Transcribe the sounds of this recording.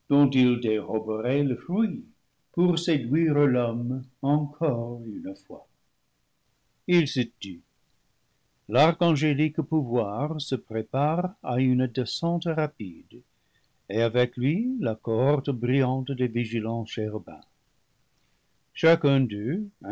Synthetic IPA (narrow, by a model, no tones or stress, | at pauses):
d̥ɔ̃t̪ild̪eʁɔbəʁɛləfrwi | puʁsedwiʁəlɔmɑ̃kʰɔʁynfwa | ilsət̪y | laʁkɑ̃ʒelikpuvwaʁsəpʁepaʁayndesɑ̃t̪ʁapid | eavɛklɥilakɔɔʁt̪bʁijɑ̃t̪d̪eviʒilɑ̃ʃeʁbɛ̰̃ | ʃakɛ̃d̪øɛ̃